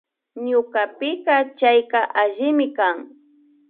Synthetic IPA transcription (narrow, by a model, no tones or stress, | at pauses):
ɲʊkapɪkɑt͡ʃajkaʔaʒɪmɪkaŋ